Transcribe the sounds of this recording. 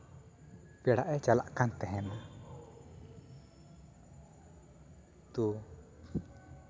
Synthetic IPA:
pɛɽaʔɛt͡ʃala̰ʔkant̪ɛɦɛna | t̪u

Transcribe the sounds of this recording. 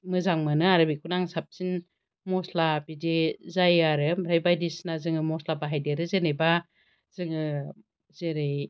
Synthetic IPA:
mɯzaŋmanɯaɾɯbikʰunaŋsap̚sin | mɔslabidezajaɾɯmɾajbajdisnazɯŋɯmɔslabaɦajdeɾɯzeneba | zɯŋɯ | zeɾɯj

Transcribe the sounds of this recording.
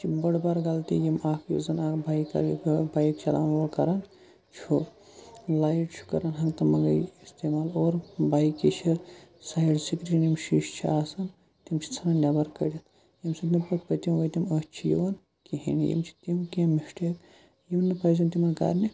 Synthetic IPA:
t͡ʃʰibɐɽbaɾɡalt̪ḭjimaːkʰjṵzɐnakʰbʱajkɐ̰ɾbajkt͡ʃɐla̰noɾkɐ̰ɾɐn | t͡ʃʰo | lajʈt͡ʃʰu̥kɐɾɐnɦɐŋɡt̪ɐmɐŋɡɐ̰jist̪emaːloːɾbʱajkit͡ʃʰiɾsajɖsikɾinjimʃiʃt͡ʃʰiaːsɐn | t̪imt͡ʃʰi̥t͡sʰɐnɐnʲabɐɾkɐ̰ɾʲit̪ | jimsɐbnipɐt̪̚ʰpɐt̪imʋot̪imət͡ʃʰijḭʋɐn | kiɦḭnḭjḭmt͡ʃʰi̥t̪imkemːiʂʈek | jimnːɨpɐjzɐnt̪imɐnka̰ːɾʲni

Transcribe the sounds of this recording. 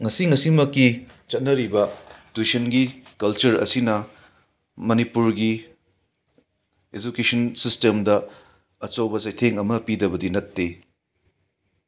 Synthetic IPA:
ŋɐsiŋɐsimɐkːi | t͡ʃɐt̚nɐɾibɐtisɐnɡikɐlt͡ʃɐɾɐ̰sinɐ | mɐnipuɾɡi | ed͡ʒukesɐnsistemdɐ | ɐt͡ʃowbɐzɐjtʰeŋɐmɐpidɐbɐdinɐtːe

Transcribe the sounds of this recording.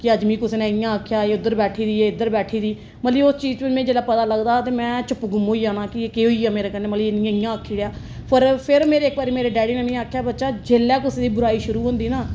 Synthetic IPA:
kɪəd͡ʒmiːkʊseːnẽːɪjãːəkʰjaːeːʊd̪ːəɾbɛːʈʰiːd̪iːeːɪd̪ːəɾbɛːʈʰiːd̪iː | mət̪liːʊst͡ʃiːd͡ʒɪmɛ̃ːd͡ʒeːlaːpət̪aːləɡd̪aːt̪eːmɛ̃ːt͡ʃʊpɡʊmɦoːiːaːnaːkɪeːkeːɦoːiːaːmeːɾeːkəɾneːmət̪linɪ̃jãːɪjãːəkʰːiːɽjaː | pʰəɾpʰɪɾmeːɾeːkbaːɾiːmeːɾeːɖɛːɽɪnənĩːaːkʰjaːbətːʃaːd͡ʒeːlɛːkʊseːd̪iːbʊɾaːiːʃʊɾuːɦõːnd̪iːnãː

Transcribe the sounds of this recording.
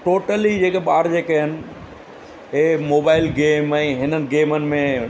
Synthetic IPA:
ʈoːʈəlid͡ʑeːkeɓaːɾd͡ʑeːkeɦɪnɪ̆ | emoːbaːɪlɡeːmɛ̃ːɦɪnənɪ̆ɡeːmənɪ̆mẽ

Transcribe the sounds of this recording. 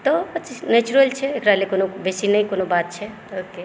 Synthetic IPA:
t̪ɔət͡ʃisnet͡ʃuɾəlt͡ʃʰɛːkɾalekonobesinəjkonobat̪̚t͡ʃʰɛ | oke

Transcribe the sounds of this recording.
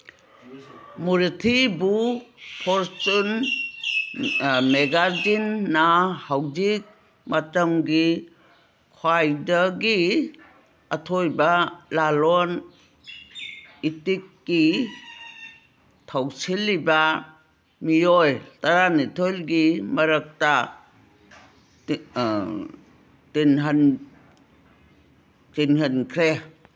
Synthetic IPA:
muɾitʰibupʰɔɾsun | meɡad͡ʒinːahawd͡ʒik̚ | matamɡi | kʰwajdaɡi | atʰɔjbalalɔn | itikːi | tʰawsilːiba | mijojtaɾanitʰolɡimɐɾək̚ta | tenɦan | tinhankʰɾe

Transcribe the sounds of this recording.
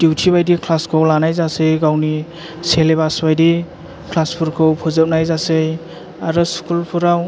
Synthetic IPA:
d̥iwtʰibajdikʰlaskʰɯwlanajzasɯjɡawni | seleβasbajdi | kʰlaspʰuɾkʰɯwpʰɔzɯp̚najzasɯj | aɾɯskʰulpʰuɾaw

